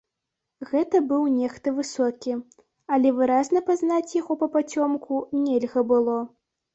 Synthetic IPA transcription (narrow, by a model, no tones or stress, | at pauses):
ɣɛt̪ɐbɨwnʲɛxt̪ɨvɨsɔkʲi | ɐlʲɛvɨɾaznɐpaznat͡sʲjaɣɔpɐpat͡sʲɔmkʰunʲɛlʲɣɐbɨlˠɔ